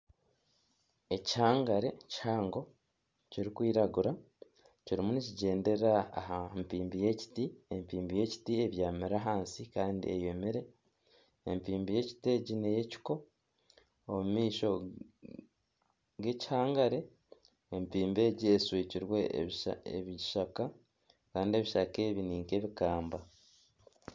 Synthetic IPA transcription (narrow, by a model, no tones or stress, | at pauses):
e̞chaːŋɡaɾe̞chaːŋɡo̞ | ciɾikwiːɾaɡuɾa | ciɾimuniciɟe̞ːnde̞ɾa̰ːɦampiːmbije̞ci̥tiempiːmbije̞ci̥tie̞βjaːmeɾaɦaːnsikaːndḭeje̞meɾe̞ː | mpiːmbije̞ci̥te̞ɟine̞je̞ci̥ko̞ | mumiːʃo̞ | ɡe̞ci̥haːŋɡaɾe̞ː | mpiːmbe̞ːɟieswiːciɾwe̞̰ḛβiʃaka | kaːndie̞βiʃake̞βiniːŋke̞βikaːmba